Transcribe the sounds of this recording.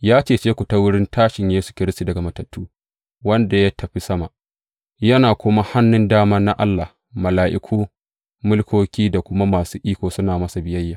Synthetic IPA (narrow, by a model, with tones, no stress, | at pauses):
jaː˦t͡ʃeː˦˨t͡ʃeː˦kʷu˨ta˦wʊ˦ɽɪ˦ntʰaː˦ʃɪ˨ɲjeː˦su̥˨kʲɪ˦ɾɪ˦stu˨dɐ˨ɡa˨mɐ˨tɐ˨tʰːuː˦ | wɐ˦nda˨ja˦tʰɐ˨ɸi˦sɐ˦ma˨ʔ | jɐ˦naː˨kʷʊ˦ma˦ha˦nːʊ˦ndaː˦mɐ˦nːa˦ʔa˦lːa˨h | mɐ˨laː˨ʔɪ̰˨kʰʷuː˦ | mʊ˦lkʷoː˦kʲiː˦da˨kʷʊ˦ma˦maː˨suː˦ʔiː˦kʷoː˨sʊ˦naː˨mɐ˦sa˨bɪ˦jɐ˦jːaː˨